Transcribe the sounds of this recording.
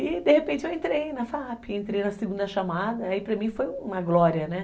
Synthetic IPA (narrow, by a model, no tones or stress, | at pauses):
ɪd̪ehepẽnt͡ʃɪewẽnt̪ɾejnɐfapẽnt̪ɾejnɐseɡũnd̪ɐʃamad̪ɐːipɾɐmĩfojũmɐɡlɔɾiɐnɛ